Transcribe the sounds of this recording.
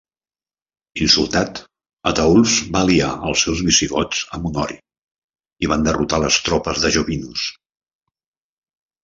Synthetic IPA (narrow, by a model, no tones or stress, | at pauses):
insulˠt̪at̪ | ət̪əulˠzβaliaəlˠsɛwzβisiɣɔd͡zəmunɔɾi | iβand̪ərut̪aləst̪ɾɔpəzðəʒoβinus